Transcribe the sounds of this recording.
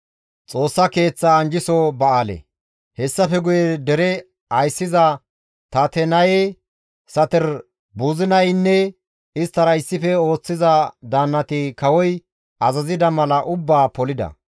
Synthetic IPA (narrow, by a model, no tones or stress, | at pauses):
t͡sʼo̞ːsːɐke̞ːt͡sːaːnd͡ʒɪsɔbɐaːlɛ̰ | hɛsːɐfɛɡʊjɛd̪ɛɾɛ | ɐjsːɪzɐ | t̪ɐt̪ɛnɐje | sɐt̪ɛɾ | buːzɪnɐjnːɛ | ɪst̪ːɐɾɐjɪsːɪfɛo̞ːt͡sːɪzɐd̪aːnːɐt̪ɪkɐwɔj | ɐzɐzɪd̪ɐmɐlɐʔʊbːaːpɔlɪd̪ɐ̰